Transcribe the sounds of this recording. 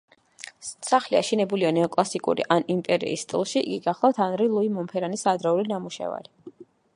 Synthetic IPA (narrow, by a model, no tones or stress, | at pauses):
saχlia̰ʃinɛbulianɛɔkʼlˠasikʼṵɾḭʔanimpʼɛɾḭːst̪ʼḭlˠʃiʔːɡiɡaχlˠaft̪ʰanɾilˠuimɔmpʰɛɾanisad̪ɾaulinamuʃɛ̰va̰ɾi